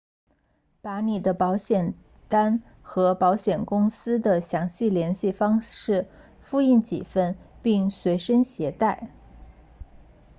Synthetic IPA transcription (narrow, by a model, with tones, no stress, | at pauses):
pa˧˥ni˨˩d̪ə˦pɑ˧˥ʊɕjɛ˨˩n | t̪a˥n | xɤ˧˥pɑ˧˥ʊɕjɛ˨˩nkʊ˥ŋsɹ̩˥d̪ə˨ɕjɑ˧˥ŋɕi˥˩ljɛ˧˥nɕi˥˩fɑ˥ŋʂɻ̩˥˩ | fu˥˧i˥˩nt͡ɕḭ˨˩fə˥˧npi˥˩ŋswe˧˥ɪʂə˥ŋɕjɛ˧˥t̪a˥˩ɪ